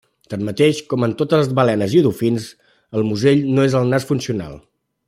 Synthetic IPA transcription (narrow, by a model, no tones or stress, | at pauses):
t̪anmət̪eʃkɔmənt̪ot̪ələzβəlɛnəziuðufins | əlˠmuzeʎnoezəlˠnasfunsiuna̰lˠ